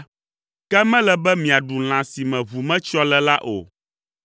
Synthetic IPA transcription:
kɛ˦mɛ̃˦lɛ˨bɛ˦mĩ˨a˨ɖu˨l̃ã˨si˨mɛ̃˨βu˨mɛ̃˦t͡ʃɔ˦lɛ˨la˦ʔo̰˨

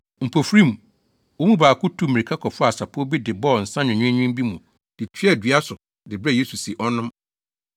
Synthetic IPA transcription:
m̩˨pʰo˨fɾĩ˦mũ˨ | wɔ˦mũ˦baː˨kʰʊ˦tʰu˦˨mĩ˨ɾi˨kʰa˦kʰɔ˨fʊ˦a˨sa˨pʰɔ˦bi˦dɪ˨bɔ˦˨n̩˨sã˦nʊ̃˨ɲᶣʊ̃˦ʊ̃˦m˦bi˦mũ˨ | d̥ɪ˨t͡ɕʰᶣi˦ɛ˦˨dɥa˦sʊ˨ | dɪ˨bɾɛ˦˨je˦su˨se˨ʔɔ˦nʊ̃˦m

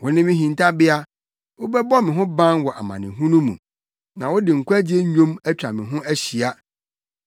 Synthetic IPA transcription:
wʊ˦nɪ̃˦mɪ̃˦ɦĩ˨n˨tʰa˦bɪ˦a˦ | wʊ˦bɛ˦bɔ˦mɪ̃˨ɦʊ̃˦bã˦nwɔ˨ʔa̰˨mã̰˨nɪ̰̃˨ɦũ˦nũ˦mṵ̃˨ | nã˨wʊ˦dɪ˨ŋ̩˨kʷʰɛ̃˦d͡ʑi˦e˦ɲ̩˦ɲᶣõ˦mæ˦t͡ɕᶣa˨mɪ̃˨ɦʊ̃˦æ˦ɕi˨a˦

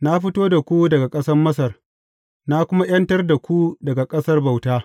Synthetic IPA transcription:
na˦ɸɪ˦toː˦da˨kʷu˦dɐ˨ɡa˨kʼɐ˦sɐ˦rmɐ˦s̬ɐ˨r | na˦kʷʊ˦ma˦j̰ɐ˦ntɐ˦rda˨kʷu˦dɐ˨ɡa˨kʼɐ˦sɐ˦rba˨wtaː˦

